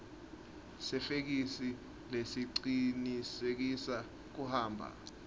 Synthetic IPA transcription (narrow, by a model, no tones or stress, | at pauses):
sɛfek̬isi | lesiǀinisek̬isa | k̬uhaːmbʱa̰